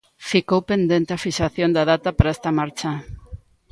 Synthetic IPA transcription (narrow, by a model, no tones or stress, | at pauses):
fikowpend̪ent̪eafiʃaθjond̪aðat̪ɐpaɾaest̪ɐmaɾt͡ʃɐ